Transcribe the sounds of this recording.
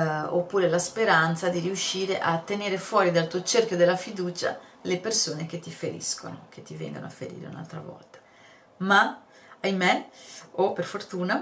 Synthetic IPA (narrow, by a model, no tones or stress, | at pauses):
opːuːɾelaspeɾant̪sad̪iɾiuʃːiːɾeʔat̪ːeneːɾefwɔːɾid̪alt̪uːot͡ʃerkjod̪elːafid̪uːt͡ʃa̰lepersoːnek̟et̪ːifeɾḭsko̰no̰k̟et̪ːivɛ̰ŋɡ̪o̰noafːḛɾḭːɾḛṵna̰lt̪ɾa̰vɔ̰lt̪ḁ | ma | ajmeoperfort̪uːna